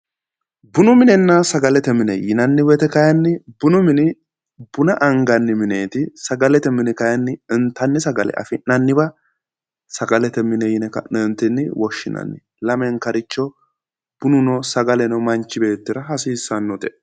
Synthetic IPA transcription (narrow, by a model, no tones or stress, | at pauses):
bʊnʊmɪnɛnːɐsɐɡɐlɛt̪ɛmɪnɛjɪnɐnːɪbɛt̪ɛkɐjɐnːɪbʊnʊmɪnɪ | bʊnɐʔɐŋɡɐnːɪmɪneːt̪ɪsɐɡɐlɛt̪ɛmɪnɛkɐjɐnːɪɪnt̪ːɐnːɪsɐɡɐlɛ̰ʔɐ̰fɪnɐnːɪbɐ | sɐɡɐlɛt̪ɛmːɪnɛjɪnɛkɐ̰ɛnt̪ːɪnːɪwɔʃːɪnɐ̰nːɪ | lɐmɛŋkɐɾɪt͡ʃːɔ | b̥ʊnʊnɔsɐɡɐlɛnɔmɐnt͡ʃːɪbe̞ːt̪ːɪɾɐɦɐsiːsːɐnːɔt̪ɛ